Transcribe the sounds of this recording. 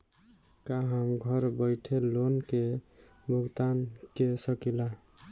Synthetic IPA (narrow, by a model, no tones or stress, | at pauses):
kaɦəmɡʱʌɾbəɪʈʰelonke | bʱuɡt̪ankesəkila